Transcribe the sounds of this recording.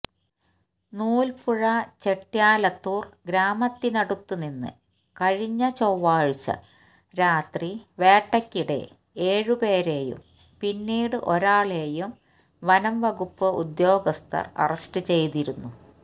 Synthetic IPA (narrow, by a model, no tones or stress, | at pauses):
nuːlpuɻɐt͡ɕe̞ʈːjaːlɐt̪ːuːrɡɾaːmɐt̪ːinɐɽut̪ːuninːɨ̰ | kɐɻiɲːɐt͡ɕowːaːɻit͡ɕːɐ̰ | ɾaːt̪riʋe̞ːʈːɐkʲːiɽe̞̰ | eːɻɨpe̞ːɾe̞ːjṵm | pinːiːɽɨʔo̞ɾaːɭe̞ːjum | ʋɐnɐmʋɐɣupːɨud̪jo̞ːɡɐst̪ʰɐ̰rɐ̰rɐstɨt͡ɕe̞jt̪iɾunːu